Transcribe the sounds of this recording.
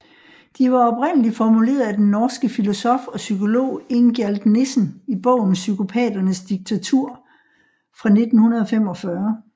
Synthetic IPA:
d̥iʋɑ̈ɒ̽b̥ʁen̰əlifɒmule̝̰ːɐðˠæd̥enːɒːsɡ̥əfilo̝sɒ̽fɒ̽sykʰo̝lo̝̰ːe̝ŋɡ̥æld̥ne̝sn̩ib̥ɔ̰̽ʊ̰n̩sykʰo̝pʰɛ̰ːd̥ɐnəsd̥iɡ̥̚t͡sʰæt͡sʰuɐ̰ | fʁɑ̈ne̝d̥n̩hunɐð̞ˠɒ̽fem̰ɒ̽fɶɐ

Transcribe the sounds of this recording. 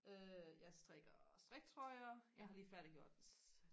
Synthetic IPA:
ʔøjɑ̈ɪsd̥ʁɛɡ̥ɐsd̥ʁɛɡ̥t͡sʰʁɒɪɐjɑ̈ɪɦɑ̈liːfæɐd̥iɡ̥jo̝ɐ̰d̥d̥es

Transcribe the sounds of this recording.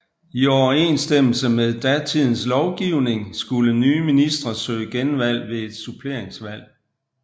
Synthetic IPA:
iɒʊɐe̝nsd̥em̰l̩səmeðˠd̥æt͡sʰið̰ˠn̩slɒʊɡ̥iʊne̝ŋsɡ̥ulənyːminisd̥ʁɐsø̰ːɡ̥enʋæl̰ʋe̝e̝d̥supʰle̝ɐ̰eŋsʋæl̰

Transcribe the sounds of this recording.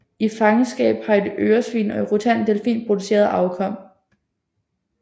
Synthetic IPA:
ifɑ̈ŋəsɡ̥ɛ̰ːb̥hɑ̈e̝d̥øːɐsʋḭːnɒ̽eʁot͡sʰæn̰d̥elfḭːnpʰʁod̥use̝̰ːɐð̩ˠɑ̈ʊkʰɒ̽m̰

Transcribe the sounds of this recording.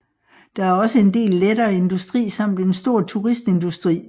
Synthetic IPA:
d̥ɑ̈æɐɒ̽səe̝nde̝̰ːlːedɐːe̝nd̥usd̥ʁḭːsɑ̈m̰d̥ensd̥o̝ɐ̰t͡sʰuʁisd̥e̝nd̥usd̥ʁḭː

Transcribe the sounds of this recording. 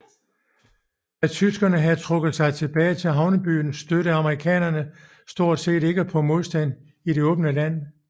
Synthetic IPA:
æt͡sʰysɡ̥ɐnəɦæt͡sʰʁɔ̽ɡ̥ð̩ˠsɑ̈ɪt͡sʰe̝b̥ɛːɪt͡sʰe̝lɦɑ̈ʊnəb̥y̰ːnsːd̥øɾəɑ̈məʁikʰɛ̰ːnɐnə | sd̥o̝ɐ̰d̥se̝̰ːɾe̝ɡ̥əpʰɒ̽mo̝ðˠsd̥æn | ide̝ɔ̽ːb̥nəlæn̰

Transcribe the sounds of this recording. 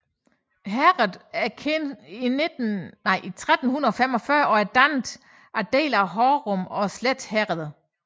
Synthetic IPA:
ɦæʁð̩ˠæɐkʰenined̥nnɑ̈ɪ̰ʔit͡sʰʁad̥n̩hunɐð̩ˠɒfem̰ɒ̽fɶɐʔɒ̽æɐd̥ænd̥ | ʔæd̥e̝̰ːlæɦɒːʁɔmɒ̽sled̥hæʁð̩ˠ

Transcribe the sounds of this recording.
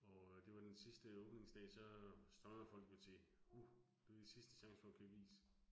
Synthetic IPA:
ɒ̽d̥e̝ʋɑ̈d̥ensisd̥əɔːb̥ne̝ŋsd̥ɛ̰ːsɒ̽sd̥ʁɑnəð̩ˠfɒ̽l̰ɡ̥ot͡sʰe̝hu | d̥ed̥isisd̥ə̥ɕɑ̈ŋsəfɒkʰuʋḭːsə

